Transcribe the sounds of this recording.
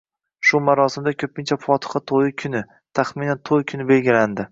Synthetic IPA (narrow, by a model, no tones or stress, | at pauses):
ʃʊmaɾɒsɪmd̪akʲʰɵpʰɪnt͡ʃʰafʰɒt̪ʰɨ̥χɑt̪ʰojɪkʲʰʊnɪ | t̪ʰaχmɪnant̪ʰojkʰʊnɪbe̞lɡʲɪland̪ɪ